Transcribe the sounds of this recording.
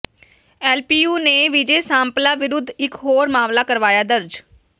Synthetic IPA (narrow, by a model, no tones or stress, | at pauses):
ɛːlpiːjuːneːʋɪd͡ʒeːsãːmplaːʋɪɾʊd̪ʱːɪkɦoːɾmaːmlaːkəɾʋaːjaːd̪əɾd͡ʒ